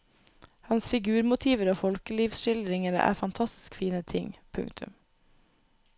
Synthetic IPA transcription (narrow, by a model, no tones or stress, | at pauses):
hɑnsfɪɡʉːɾmʊt̪ʰiːʋəɾoːfɔlkəliːʋsʃɪld̪ɾɪŋəɾə̰ʔæ̰ːɾfɑnt̪ʰɑst̪ɪ̥skfiːnət̪ʰɪŋpʰʉ̰ŋkt̪ʰʉ̰m